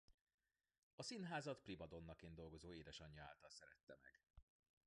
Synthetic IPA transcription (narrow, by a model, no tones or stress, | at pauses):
ɒsinɦaːzɒt̪pribɒd̪o̞nːɒkeːnd̪o̞lɡo̞zoːeːd̪ɛʃɒɲːɒaːlt̪ɒlsɛɾɛt̪ːɛmɛ̰ɡ̥